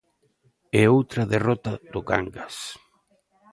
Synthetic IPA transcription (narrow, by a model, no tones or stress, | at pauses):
ɛowt̪ɾɐðerɔt̪aðʊɣa̰ŋɡas